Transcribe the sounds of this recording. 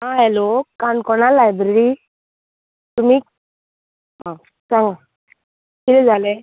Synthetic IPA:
ɦãɦɛlokaɳkɔnalːajbɾeɾi | t̪um̤iː | ɦã | sãŋɡa | kilɛd͡zʱale

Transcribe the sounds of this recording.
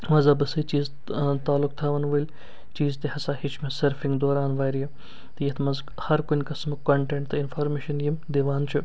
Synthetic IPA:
mɐzɐbɐsɨt͡ʃiːz | t̪aːlːʊk̚t̪ʰaːʋɐnʋɐlʲ | t͡ʃiːzt̪ehɐsaːhit͡ʃʰmẽsɐɾfiŋɡd̪oːɾaːnʋaːjɾijɐ | t̪jet̪ʰmɐz | hɐɾkʊnʲkɐsmkoɳʈẽɳʈt̪ʰɨɪnfʰoːɾmeːʃɐnjimd̪eːʋaːnt͡ʃʰu

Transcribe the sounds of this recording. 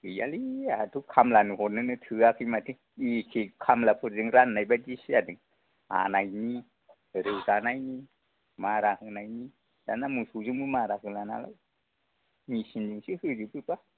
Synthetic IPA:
ɯja̰liatʰukʰamlanɯhɔtnɯnɯtʰɯakʰɯjmatʰi | ikʰikʰamlapʰɯɾzɯŋɾanːajbadisiadɯŋ | a̰najni | ɾɯwzanajni | maɾahɯnajni | d̥anamɯsuzuŋbɯmaɾaɦɯlana̰la̰j | misindiŋsihɯzipɯta

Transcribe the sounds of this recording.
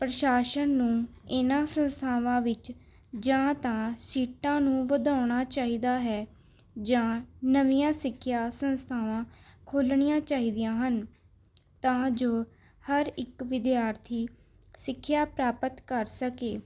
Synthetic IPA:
pɾəʃaːʃənːũːɪnãːsənst̪ʰaːʋãːʋɪt͡ʃ | d͡ʒãːt̪ãːsiːʈãːnũːʋəd̪aːɳ̃aːt͡ʃaːɦiːd̪aːɦɛː | d͡ʒãːnəʋijãːsɪkʰːjaːsənst̪ʰaːʋãːkʰoːlɳɪijãːt͡ʃaːɦiːd̪ijãːɦən | t̪ãːd͡ʒoː | həɾɪkʋɪd̪ɪjaːɾt̪ʰiː | sɪkʰːjaːpɾaːpət̪kəɾsəkeː

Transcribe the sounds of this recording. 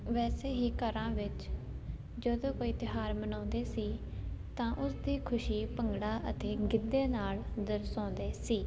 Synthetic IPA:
ʋɛːseːɦiːkəɾãːʋɪt͡ʃ | d͡ʒəd̪õːkoːiːt̪ɪɦaːɾmənõːnd̪eːsiːt̪ãːʔʊsd̪iːkʰʊʃiːpəŋɡɽaːʔət̪eːɡɪd̪ːeːnaːld̪əɾsõːnd̪eːsiː

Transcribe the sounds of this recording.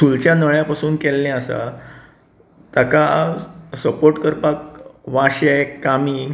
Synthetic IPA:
sult͡ɕjanəɭjapasuːnkɛlːɛ̃əsa̰ | t̪əka | səpoɾʈkəɾpakʋãɕekami

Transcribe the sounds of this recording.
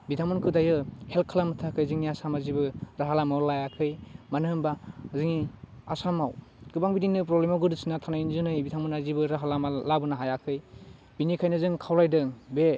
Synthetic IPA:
bitʰamɯnkʰɯdajɯhel̚kʰalamɯtʰakʰɯjzɯŋiasamazibɯɾaɦalamawlajakʰɯjmanɯmbazɯŋiasamawɡɯbaŋbidiŋnɯpɾɔblemawɡɯdɯsinatʰanajnzɯnɯjbitʰamɯnazibɯɾaɦalamalabɯnaɦajakʰɯj | binikʰajnɯzɯŋkʰawlajdɯŋbe

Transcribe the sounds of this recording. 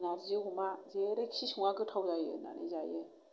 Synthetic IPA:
naɾziumazeɾɯksisuŋaɡɯtʰawzajɯ̰na̰nḭzajɯ

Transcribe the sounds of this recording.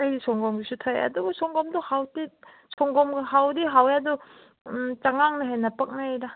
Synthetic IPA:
ajdisɔŋɡɔmɡisutʰajɐ̰duɡɐsɔŋɡɔmduhawti | sɔŋɡɔmɡhawdiɦawjadu | t͡ʃaŋaŋnɯɦejnɐpɐk̚najɾa

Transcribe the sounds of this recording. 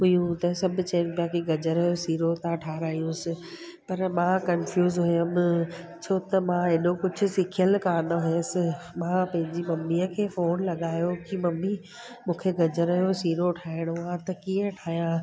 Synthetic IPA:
ʊjũt̪ɐsɐbʱʊt͡ɕɐnpjãkiɡɐd͡ʑəɾəɦjosiːɾot̪ʰãʈʰaːɾaːijũsɪ | pɐɾmãːkɐnfjuːzɦʊjəm | t͡ɕʰoːt̪ɐmãɦɪnokʊd͡ʑʱʊ̆sɪkʰijəlkaːnɦʊẽsɪ | mãːpɐ̃ɦɪ̃ɲd͡ʑimɐmːiəkʰeːfoːnlɐɠaːjokʰimɐmːi | mũːkʰeɡɐd͡ʑəɾɐjosiːɾoʈʰaːɪɽ̃ʊãt̪ɐkiəʈʰaːɦjã

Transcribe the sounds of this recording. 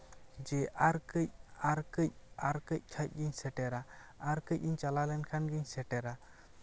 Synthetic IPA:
d͡ʒɛʔaɾkəc̚aɾkəc̚aɾkəc̚ˀkʰac̚ˀɡiɲsɛʈɛɾa | aɾkəc̚iɲt͡ʃalalɛnkʰanɡɯɲsɛʈɛɾa

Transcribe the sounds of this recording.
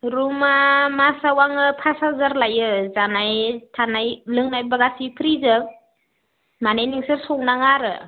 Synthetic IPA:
ɾumamasawaŋɯpʰasazaɾlajɯzanajtʰanajlɯŋnajbaɡasipʰɾizɯk̚ | manejniŋsɯɾsɔŋ̚naŋaɾɯ̰

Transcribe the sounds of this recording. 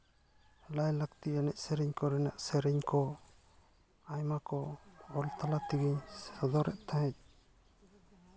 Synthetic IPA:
lajlakt̪ianɛʔsɛɾɛɲkɔɾɛna̰ʔsɛɾɛɲkɔ | ajmakɔɔlt̪alat̪iɡiɲsɔd̪ɔɾɛʔt̪ʰãɦɛc̚

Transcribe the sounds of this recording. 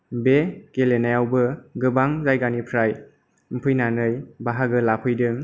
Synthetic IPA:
bekelenajawbɯɡɯbaŋzajɡanipʰɾaj | m̩pʰɯjnanɯjbaɦaɡɯlapʰɯjdɯŋ

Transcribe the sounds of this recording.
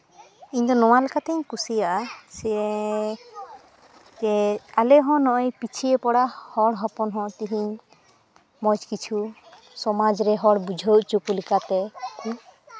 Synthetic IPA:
iɲd̪ɔnɔwalɛkat̪ɛiɲkusijaʔasɛ | d͡ʒɛalɛɦɔ̃nɔʔɔjpit͡ʃʰiepɔɽahɔɽɦɔpɔnɦɔ̃t̪iɦiɲ | mɔd͡ʒkit͡ʃʰu | sɔmad͡ʒɾɛɦɔɽbud͡ʒʱəwʔt͡ʃukulikat̪ɛku

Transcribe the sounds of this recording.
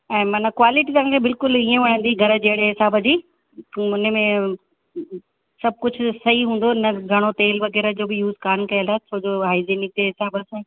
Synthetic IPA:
ɛ̃ːmɐnakʋaːlɪʈit̪ɐɦãːkʰebɪlkʊliẽʋɐɽ̤̃ə̃nd̪iɡʱɐɾəd͡ʑeɦɽeɦɪsaːbəd͡ʑiː | ʊnəmẽ | sɐb̚ʱkʊd͡ʑʱʊsɐɦiɦũːn̆d̪oɪnɐɡʱɐɽ̃ot̪eːlʋɐɣɛːɾəd͡ʑoːbɪjuːzkaːnkɐjəlaːɦt͡ɕʰoːd͡ʑoːɦaːɪzeːnɪk̚d͡ʑeːɦɪsaːbəsã

